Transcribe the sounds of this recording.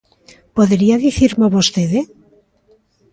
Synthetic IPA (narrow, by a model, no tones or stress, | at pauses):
poðeɾiaðiθiɾmoβost̪eðe